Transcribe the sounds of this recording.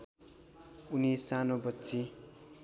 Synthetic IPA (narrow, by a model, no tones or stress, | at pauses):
unisanobʌtːt͡si